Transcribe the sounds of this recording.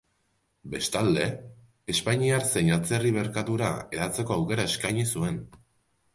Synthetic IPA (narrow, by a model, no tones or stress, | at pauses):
be̞st̪ald̪e̞ | espaɲiaɾse̞ɲat͡se̞riβ̞e̞ɾkat̪uɾa̰e̞ðat͡seko̞awke̞ɾae̞skajɲisue̞n